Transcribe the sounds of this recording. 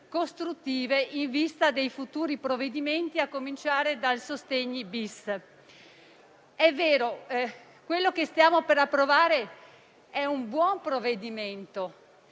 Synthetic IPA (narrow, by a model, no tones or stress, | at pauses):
kost̪ɾut̪ːiːveʔiɱvist̪ad̪ejfut̪uːɾipɾoved̪iment̪iakːomint͡ʃaːɾed̪alsost̪eɲːibis | ɛvːeːɾo | kwelːokest̪jaːmopeɾapːɾovaːɾe | ɛumbwɔmpɾoved̪iment̪o